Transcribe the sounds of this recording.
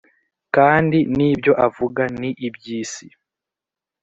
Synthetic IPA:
kaːndiniːbjo̞ʔavuɡaniʔibjiːsi

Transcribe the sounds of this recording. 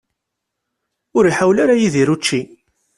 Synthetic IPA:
ʊɾiħawlaɾajiðiɾut͡ʃːi

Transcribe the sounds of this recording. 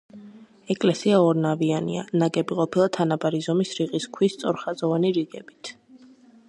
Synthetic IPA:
ɛkʼlɛsiaɔɾnavianḭa̰naɡɛbiqʼɔpʰilˠat̪ʰanabaɾizɔmisɾiʁiskʰwist̪sʼɔɾχazɔvaniɾiɡɛb̥it̪ʰ

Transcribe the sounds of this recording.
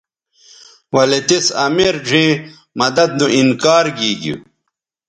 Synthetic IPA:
wɐlet̪esɐmeɾd͡ʑĩː | mɐd̪ɐd̪̚nuʔinkaːɾɡiːɡḭ

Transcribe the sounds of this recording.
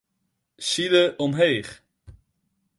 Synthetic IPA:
siləʔɔmɦejχ

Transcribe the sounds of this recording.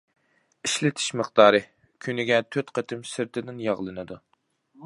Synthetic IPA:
iʃlɪt̪ʰɪ̥ʃmɨχt̪ɑːɾɨ | kʲʰynɪɡʲɛt̪ʰøt̪qʰət̪ʰɨmsɪɾt̪ʰɪd̪ɪnjɑʁlˠɨnɨd̪u

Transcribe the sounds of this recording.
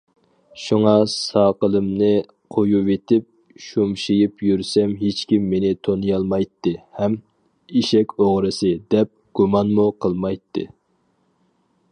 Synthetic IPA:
ʃuŋɑsɑqəlˠɨmnɨ | qʰojuvet̪ʰɪp̚ | ʃumʃijipjyɾsɛmɦet͡ʃkʲimːenɪt̪ʰonjɑlˠmɑjt̪ːɨhɛm | iʃɛkʲoʁɾɨsɨd̪ɛp̚ɡ̥umɑnmuqʰəlˠmɑjt̪ʰːɨ̰

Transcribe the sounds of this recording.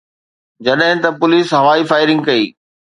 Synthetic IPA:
d͡ʑɐɗɦɪ̃t̪ɐpʊliːsɦɐʋaːifaːɪɾɪ̃ŋɡkɐiː

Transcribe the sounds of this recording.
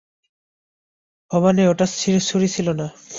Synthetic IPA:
bɔβaneoʈastʰiɾsuɾit͡ɕʰilona

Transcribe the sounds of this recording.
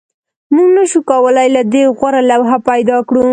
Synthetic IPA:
muɡnaʃukawəlajlad̪eɣwaɾalawɦapajd̪ɑkɽu

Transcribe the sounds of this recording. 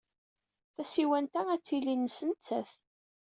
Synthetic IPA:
θæsiwænt̪ææt͡sːilinːəsənt͡sːæ̰θ

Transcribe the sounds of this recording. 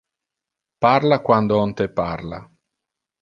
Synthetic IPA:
parlakwand̪oɔnt̪eparla̰

